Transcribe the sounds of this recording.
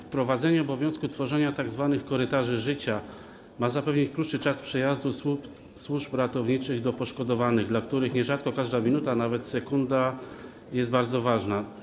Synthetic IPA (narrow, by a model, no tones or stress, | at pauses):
fpɾɔvad̪zɛɲɛɔbɔvʲjɔ̃w̃skut̪fɔʐɛɲat̪aɡzvanɘxkɔɾɘt̪aʐɘʐɘt͡ɕa | mazapɛvɲit͡ɕkɾut̪ʂɘt͡ʂaspʂɛjazd̪usp | swuʐpɾat̪ɔvɲit͡ʂɘɣd̪ɔpɔʂkɔd̪ɔvanɘɣd̪lakt̪uɾɘxɲɛʐat̪kɔkaʐd̪amʲinut̪anavɛt̪sɛkund̪a | jɛsd̪baɾd̪zɔvaʐna